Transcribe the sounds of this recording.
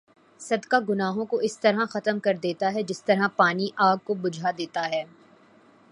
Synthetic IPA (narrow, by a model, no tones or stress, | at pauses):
sɐd̪kaɡʊnaːɦõkoɪst̪ɐɾɦãxɐt̪əmkɐɾd̪eːt̪aɦɛd͡ʒɪst̪ɐɾɦapaːniʔaːɡ̚kobʊd͡ʒʱad̪eːt̪aɦɛː